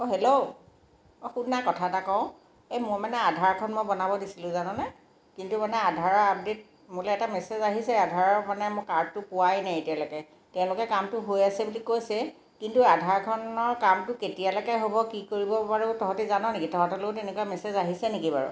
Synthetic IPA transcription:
oɦelo | ɔxunːakɔtʰatakɔʊ̃ | ejmojmanɛadʱaɹkʰɔnmojbɔnabɔdisilʊ̃zanɔna | kintumanɛadʱaɹɔɹap̚det̚ | mʊlɛɛtamɛsezaɦisɛadʱaɹɔmanɛmʊkaɹd̚tʊpʊwajnajetialɔkɛ | tɛʊ̃lʊkɛkamtʊɦojasɛbulikojsɛ | kintuadʱaɹkʰɔnɔɹkamtʊketijalɔkɛɦobɔkikoɹibɔpaɹutɔɦɔtizanɔnekitɔɦɔtɔlokʊtenɛkujamɛsezaɦisɛnekibaɹṵ

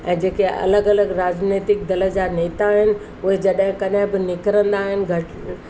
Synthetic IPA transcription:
ɛ̃ːd͡ʑeːkeɐ̰ləɡɐləɡɾaːd͡ʑneːt̪ɪk̚d̪ɐlə̆d͡ʑaːneːt̪aɦɪnɪ̆ | ʊɦed͡ʑɐɗɦɪ̃kɐɗɦɪ̃bɪnɪkɾə̃nd̪aːɦɪnɪ̆ɡʱɐʈ

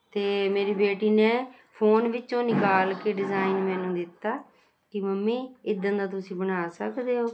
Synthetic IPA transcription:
t̪eːmeːɾiːbeːʈiːnẽː | pʰoːnʋɪt͡ʃõːnɪkaːlkeːɖɪzaːinmɛːnũːd̪ɪt̪ːaː | kɪməmːiːɪd̪ə̃nd̪aːt̪ʊsĩːbənaːsəkd̪eːoː

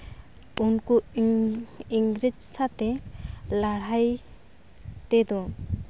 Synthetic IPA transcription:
unkɔ | iŋɡɾid͡ʒsat̪ɛlaɽ̤aj | t̪ɛd̪ɔ

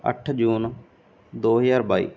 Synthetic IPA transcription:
ə̰ʈʰd͡ʒuːn | d̪oːɦəjaːɾbaːḭː

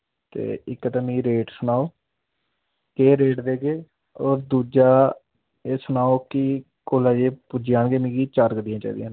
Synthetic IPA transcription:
t̪ḛːɪkːət̪amĩːɾeːʈsʊnaːoː | keːɾeːʈd̪eːɡeː | oːɾd̪uːd͡ʒaː | eːsʊnaːoːkɪ | koːlãːd͡ʒeːpʊd͡ʒjãːɳɡeːmĩːɡiːt͡ʃaɾkd̪ɪjãːt͡ʃa̰ːiːd̪jãːn

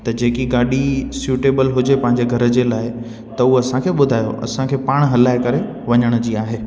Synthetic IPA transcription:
t̪ɐd͡ʑeːkiɡaːɗisjuːʈeːbəlɦʊd͡ʑepɐ̃ɦɪ̃ɲd͡ʑeɡʱɐɾəd͡ʑelaːɪ | t̪ɐuɦoɐsãkʰeːɓʊd̪ʱaːjo̰ʔɐ̰sãkʰeːpaːɽ̃ɦɐlaːɪkɐɾe | ʋɐɲəɽ̃d͡ʑiːaːɦeː

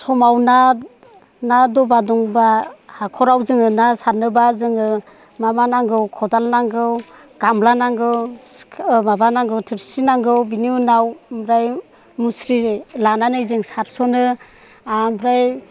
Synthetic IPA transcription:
sɔmawna | nadɔbadɔŋbahakʰɔɾawzɯŋɯnasaɾnɯbazɯŋɯ | mamanaŋɡɯwkʰɔdalnaŋɡɯw | ɡ̥amlanaŋɡɯw | mabanaŋɡɯwtʰɯɾsinaŋɡɯwbiniunawmɾaj | musɾilananɯjzɯŋsaɾsɔnɯ | amɾaj

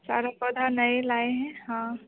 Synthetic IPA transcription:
sa̰ɾapəd̪ʱanəelaeɦɛ̃hã

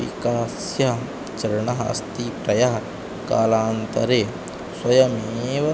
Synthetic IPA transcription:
ḭkaːs | jɐɦ | t͡ʃɐɾɐɳɐɦɐɐ̰st̪ipɾɐjɐɦɐ | kaːlaːnt̪ɐ̰ɾeː | swɐjɐmeːʋɐ

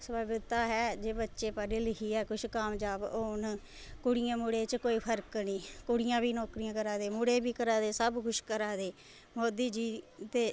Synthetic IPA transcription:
səbaːbɪd̪t̪aːɦɛːd͡ʒeːbətːʃeːpaɾeːlɪɦiːɛːkʊʃʰkaːmd͡ʒaːboːn | kʊɽɪjãːmʊɽeːt͡ʃkoːiːpʰəɾknĩːkʊɽɪjãːbiːnɔːkɾijãːkəɾaːd̪eːmʊɽeːbiːkəɾaːd̪eːsəbkʰʊʃkəɾaːd̪eː | mɔːd̪iːd͡ʒiːt̪eː

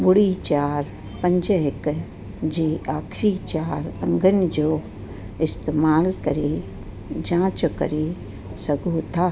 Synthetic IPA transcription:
bʊɽit͡ʃaːɾ | pə̃ɲd͡ʒəɦɪk | d͡ʒiːaːkʰɾiːt͡ʃaːɾɐ̃ŋɡənd͡ʒoː | ɪst̪eːmaːlkɐɾe | d͡ʒãːt͡ʃkə̰ɾe | sɐɡʱuːt̪ʰaː

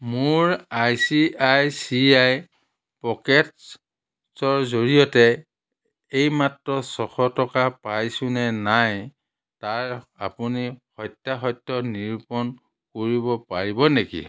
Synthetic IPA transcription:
mʊɹajsiajsiaj | pɔkɛt | sɔɹzoɹijɔtɛ | ejmatɹɔsɔxʰɔtɔkapajsʊnɛnaj | taɹa̰punihɔjtːaɦɔjtːɔniɹpɔn | koɹibɔpaɹibɔnekḭ

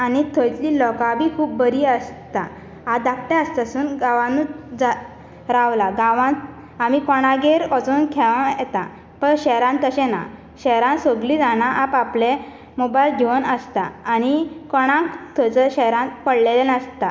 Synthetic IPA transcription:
anit̪ʰɔjt̪lilɔkabʱiːkʰuːp̚bəɾiəst̪a | ad̪ak̚ʈ̪ɛəst̪əsuːnɡaʋãnud͡za | ɾaʋlaɡãʋã | amikɔɽ̃aɡeɾɔt͡sonkʰɛʋãjɛt̪a | pəɾɕɛɾãnt̪əɕɛ̃na̰ | ɕɛɾãnsoɡlid͡zaɽ̃aʔapaple | mobajlɡiʋənəst̪aːñikɔɽ̃ãŋkt̪ʰɔjt͡səɕɛɾãnt̪pəɽlelenəst̪a

